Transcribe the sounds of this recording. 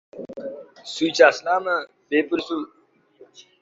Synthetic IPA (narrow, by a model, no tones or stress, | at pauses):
suːt͡ɕaːslaːmə | beːpuɾsu